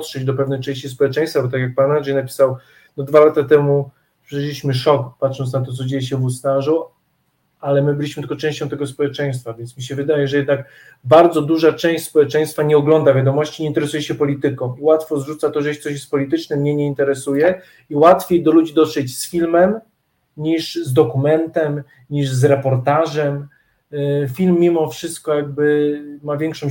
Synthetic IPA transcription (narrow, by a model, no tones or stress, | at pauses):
t̪ʂɛd͡ʑd̪ɔpɛvnɛjt͡ʂɛ̃ɕt͡ɕispɔwɛt͡ʂɛ̃j̃st̪fabɔt̪akʲjak̚panɾaʐijnapʲi̥saw | nɔd̪valat̪at̪ɛmu | pʂɛʂlʲiɕmɘʂɔkpatʂɔntsnat̪̬ɔt̪sɔd͡ʑejɛɕ̬ɛvusnaʐu | alɛmɘbɘlʲiɕmɘt̪ɨkɔtt͡ʂɛ̃ɕt͡ɕɔ̃t̪ɛɡɔspɔwɛt͡ʂɛ̃j̃st̪favʲjɛnsmʲiɕ̬ɛvɘd̪ajɛʐɛjɛd̪nak | baɾd̪zɔd̪uʐat͡ʂɛ̃w̃ɕspɔwɛt͡ʂɛ̃j̃st̪faɲɛɔɡlɔnd̪avʲjad̪ɔmɔɕt͡ɕiɲɛint̪ɛɾɛsujɛɕɛpɔlʲit̪ɘkɔ̃w̃iwat̪fɔzʐut̪sat̪ɔʐɛjʃtsɔɕ̬jɛst̪pɔlʲit̪ɘt͡ʂnɛmɲɛɲɛint̪ɛɾɛsujɛ | iwat̪fʲjejd̪ɔlud͡ʑid̪ɔt̪ʂɛt͡ɕsfʲilmɛm | ɲiʂzd̪ɔkumɛnt̪ɛm | ɲiʐzɾɛpɔɾt̪aʐɛm | fʲilmʲːimɔfʂɘst̪̚kɔjaɡ̚bɘmavʲjɛŋkʂɔ̃m